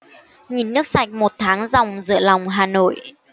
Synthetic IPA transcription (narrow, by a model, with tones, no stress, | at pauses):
ɲi˨˩nːɨ˦˥ək̚sa˨˩jk̟̚mo˨˩t̚t̪ʰaː˨˦ŋza˨˩wŋ͡mzɨ̰˧˨əla˨˩wŋ͡mɦaː˨˩no̰˧˨j